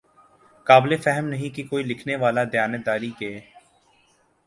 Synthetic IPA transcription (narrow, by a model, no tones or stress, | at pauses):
kaːblefɛɦəmnɐɦĩkikoːilɪkʰneʋaːlad̪jaːned̪aːɾikeː